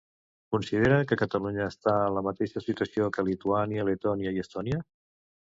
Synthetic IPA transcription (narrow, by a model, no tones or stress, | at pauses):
kunsiðeɾəkəkət̪əluɲəːst̪aələmət̪eʃəsit̪wəsiokəlit̪uaniəlit̪ɔniəiəst̪ɔniə